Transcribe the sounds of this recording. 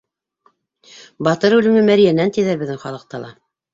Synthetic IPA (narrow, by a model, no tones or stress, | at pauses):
bɑt̪ɤɾʉlɘ̆mɘmæɾijænænt̪iðæɾbɘ̆ðɘŋχɑlˠɤ̆q̚t̪ɑlˠɑ̰